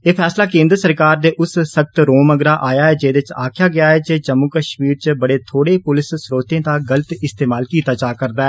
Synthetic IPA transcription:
eːpʰɛːslaːkẽːnd̪ɾəsəɾkaːɾd̪eːʔʊssək̚t̪ɾoːməɡɾaːʔaːjaːɛːd͡ʒeːd̪eɪt͡ʃaːkʰjaːɡɪaːɦɛːd͡ʒeːd͡ʒəmːuːkəʃmiːɾt͡ʃəbəɽeːt̪ʰoːɽeːpʊlɪsːɾoːt̪ẽːd̪aːɡələt̪ɪst̪eːmaːlkiːt̪aːt͡ʃaːkəɾd̪aːɛː

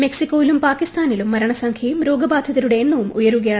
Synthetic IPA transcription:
me̞ksikːoːjilumpaːkist̪aːnilumːɐɾɐɳɐsɐŋkʰjɐjumɾo̞ːɡɐbaːd̪ʱjɐðɐɾuɽe̞ːnːɐʋumujɐɾuɣɐjaːɳ

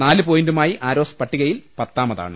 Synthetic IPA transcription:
naːlɨpoːjindumaːjiʔaːɾo̞ːspɐʈːiɣɐjilpɐt̪ːaːmɐða̰ːɳɨ

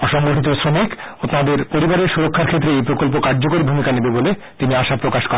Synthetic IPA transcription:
ɔʃɔŋɡoʈʰit̪̬osɾomikot̪ad̪eɾpoɾibaɾeɾʃuɾokʰːaɾkʰet̪ːɾeejpɾokolp̬okaɾd͡ʑokoɾibʱumikanebebole | t̪iniaʃapɾokaʃkɔɾ

